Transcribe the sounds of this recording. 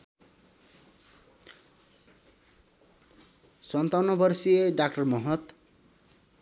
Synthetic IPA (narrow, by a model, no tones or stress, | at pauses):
sʌnt̪awnʌbʌrsieɖak̚ʈʌrmʌɦʌt̪